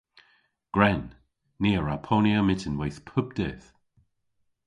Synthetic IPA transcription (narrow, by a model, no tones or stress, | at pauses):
ɡ̥ɹɛnː | iːəɹapʰonjəmɪtənwejθpʰʊbd̪̥ɛːθ